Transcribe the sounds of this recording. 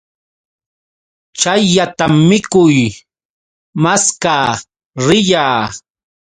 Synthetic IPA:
t͡ʃajːat̪amːɪkʊj | maskaː | ɾɪʎaː

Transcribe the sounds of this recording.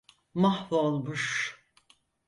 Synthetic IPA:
mahvolˠmuʃ

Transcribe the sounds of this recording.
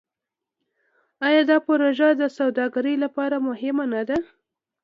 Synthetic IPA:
ɑjɑd̪ɑpoɾoʒad̪əsawd̪ɑɡaɾəjlapɑɾamʊhɪmanad̪a

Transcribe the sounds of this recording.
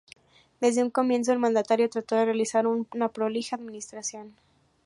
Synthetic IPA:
d̪e̞zðeuŋko̞mje̞ns̬oelmãnd̪at̪aɾjo̞t̪ɾat̪o̞ðerealisaɾunapɾolixaðmĩnist̪ɾasjo̞n

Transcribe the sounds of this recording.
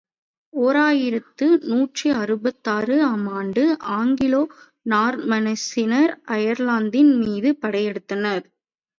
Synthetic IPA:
oːɾaːjɪɾɐt̪ːɯnuːʈriɐɾɯbɐt̪ːaːɾɯɐmaːɳɖɯʔaːŋɡɪloː | naːɾmɐnɐsɪnɐɾɐjɐɾlaːnd̪ɪnmiːðɯpɐɽɐjɛɽɯt̪ːɐnɐɾ

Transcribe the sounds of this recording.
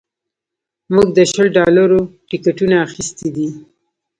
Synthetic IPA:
muɡ̚d̪əʃəlɖɑlaɾoʈɪkaʈunaːxist̪id̪i

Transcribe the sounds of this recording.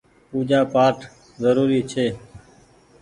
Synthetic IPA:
puːd͡ʒaːpaːʈʰ | zəɾuːɾiːt͡ʃʰeː

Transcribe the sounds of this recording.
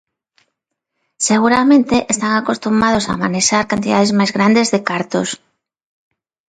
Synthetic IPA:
seɣ̞uɾamẽnt̪eʔest̪aŋakost̪umað̞osa̰maneʃaɾkant̪iðaðezmajzɣɾand̪ezðekaɾt̪o̰s

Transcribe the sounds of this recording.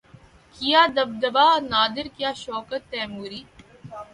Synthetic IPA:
kijaːd̪ɐb̚d̪ɐbaːnaːd̪ɪɾkjaːʃoːkət̪ːɛːmuːɾiː

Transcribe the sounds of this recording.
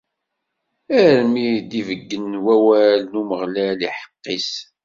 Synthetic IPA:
æɾmid̪ivəɡːənwæwælnuməʁlæliħə̥qːis

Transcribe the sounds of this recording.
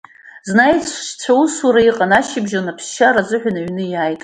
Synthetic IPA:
znajt͡sʷʰʃt͡ɕʷʰausaɾaiqʼanaʃɪbʒanapʰsʃaɾazɨħʷᶣanaɥnɨjaːjtʼ

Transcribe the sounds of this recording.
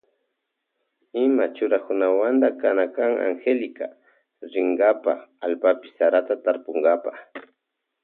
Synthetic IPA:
ɪmat͡ʃʊɾakʊnawand̪akanakaŋa̰ŋxelɪka | ɾɪŋɡapa̰alpapɪ̥saɾat̪at̪aɾpʊŋɡapaχ

